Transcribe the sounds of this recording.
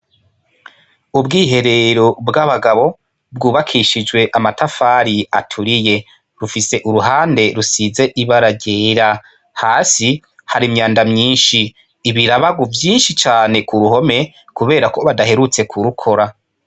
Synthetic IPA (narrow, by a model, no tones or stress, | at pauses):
ubɡiːɦe̞ɾe̞ɾo̞bɡaβaɡaβo̞ | bɡuːβakʰiʃid͡ʒwe̞ʔamatʰafaːɾia̰tʰuɾije̞ | ɾufise̞ʔuɾuɦaːnde̞ɾusize̞ʔiβaɾaɟeːɾa | haːsi | haɾimɲaːndamɲiːnʃiː | βiɾaβaɡuvjiːnʃit͡ʃaːne̞kuɾuɦo̞me̞ | kuβe̞ːɾakʰo̞βadahe̞ɾut͡se̞kʰuɾukʰo̞ɾa